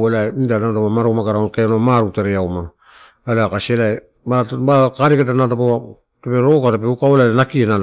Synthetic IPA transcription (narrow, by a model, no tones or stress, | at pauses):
welajidanataβamaɾomaɡaɾaonkeanomaɾuteɾeawma | aleakasielaj | babakaɾeketanatapaa | tepeɾokaɾepeukawelalenakienal